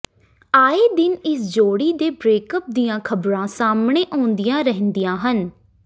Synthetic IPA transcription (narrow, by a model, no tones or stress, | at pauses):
aːeːd̪ɪnɪsd͡ʒoːɽiːd̪eːbɾeːkəp̚d̪ijãːkʰəbɾãːsaːmɳeːʔɔ̃ːnd̪ɪjãːɾəɦənd̪ijãːɦən